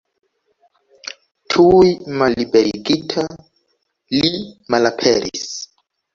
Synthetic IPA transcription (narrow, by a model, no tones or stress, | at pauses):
tʰujmalːibeɾiɡitʰa | limalapʰeɾḭs